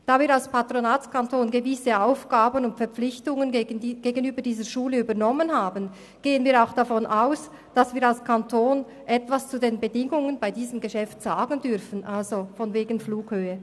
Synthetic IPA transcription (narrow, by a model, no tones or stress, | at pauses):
d̥aːviːɾalspʰatɾonaːt͡skʰantʰoːnɡəvɪsəaʊfɡ̥aːbənʊntfɛɐɾp͡flɪçtʊŋənɡ̥eːɡənyːbədiːzəʃuːləyːbɐnɔmənɦaːbən | ɡ̥eːənviːɾaʊxd̥afɔnʔaʊs | d̥asv̥iːɐɾalskʰantʰoːn | ʔɛtv̥ast͡sudeːnbədɪŋʊŋənbaɪdiːzəmɡəʃɛftz̥aːɡən̩dʏɾfən̩ʔalzofɔnveːɡn̩fluːkhøːə